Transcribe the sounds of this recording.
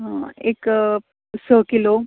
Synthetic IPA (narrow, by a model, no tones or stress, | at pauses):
ɦãek | səkilo